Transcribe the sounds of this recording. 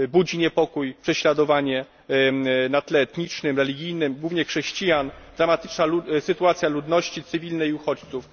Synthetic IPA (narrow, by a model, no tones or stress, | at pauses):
bud͡ʑiɲɛpɔkujpʂɛɕlad̪ɔvaɲɛ | nat̪lɛːt̪ɲit͡ʂnɘmɾɛlʲiɡʲijnɘmɡwuvɲɛxʂɛɕt͡ɕijand̪ɾamat̪ɘ̥t͡ʂnausɘt̪uat̪sʲjalud̪nɔɕt͡ɕit̪sɘvʲilnɛiuxɔt͡ɕt̪suf